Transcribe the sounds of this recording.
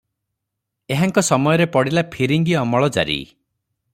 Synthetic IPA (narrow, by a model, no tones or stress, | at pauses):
eɦaŋkɔsɔmɔjɔɾepɔɽilapʰiɾiŋɡiɔmɔɭɔd͡ʒa̰ɾḭ